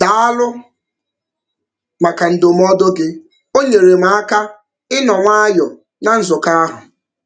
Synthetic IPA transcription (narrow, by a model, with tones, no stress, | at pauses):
da˨a˦lʊ˦ | ma˨ka˨n̩˨do˨m̩˦ɔ˦do˦ɡɪ˦ | o˦ɲe˨ɾe˨m̩˦a˦ka˦ | ɪ˦nɔ˨ŋʷa˦jɔ˨ | na˨n̩˦zʊ˨ka˦a˦ɦʊ˨